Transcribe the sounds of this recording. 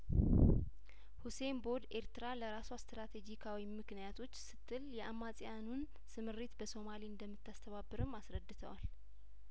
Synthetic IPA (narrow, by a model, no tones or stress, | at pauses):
huse̞mbo̞d̪e̞ɾt̪ɨɾaləɾasowast̪ɾat̪ʰe̞d͡ʒikʰawimɨknijat̪ʰo̞t͡ʃːsɨt̪ʰːɨljɛamːasʼjanun | sɨmɨɾːet̪bəso̞maliɨnd̪əmːɨt̪ːast̪ʰəβabːɨɾɨmasɾəd̪ːɨt̪ʰə̰wa̰l